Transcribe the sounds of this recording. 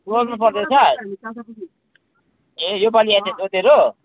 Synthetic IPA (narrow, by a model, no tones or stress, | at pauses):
olnup̬ʌrd̪esʰaɾ | ɦejopaliasesot̪eɾo